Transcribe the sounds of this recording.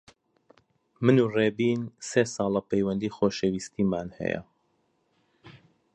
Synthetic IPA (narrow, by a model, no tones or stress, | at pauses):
mɨnuːreːbiːnseːsɑːlˠɐpɛjwɐnd̪iːxoːʃewiːst̪ʰiːmaːnhɛ̰jɐ̰